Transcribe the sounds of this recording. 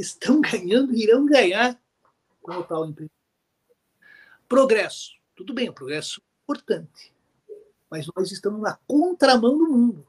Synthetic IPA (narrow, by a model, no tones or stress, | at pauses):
ɪst̪ɐ̃w̃ɡɐ̃ɲɐ̃nd̪ʊiɾɐ̃w̃ɡɐ̃ɲaɾ | kõot̪awd̪ĩmpɾez | pɾoɡɾɛsʊ̥t̪ud̪ʊbẽj̃ʊ̃pɾoɡɾɛsʊĩpoɾt̪ɐ̃nt̪ɪ̥ | mɐznɔzɪst̪ɐ̃mʊznɐkõnt̪ɾamɐ̃w̃d̪ʊmũnd̪ʊ